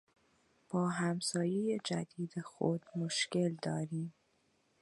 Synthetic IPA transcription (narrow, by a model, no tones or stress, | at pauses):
b̥ɒːɦæmsɒːjejed͡ʒæd̪iːd̪exod̪̥moʃke̞ld̪ɒːɾiːm